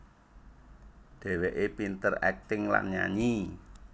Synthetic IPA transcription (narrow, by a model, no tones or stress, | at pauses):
ɖ̪̥e̤weʔepint̪ərɛk̚t̪ɪŋla̰nɲa̰ɲi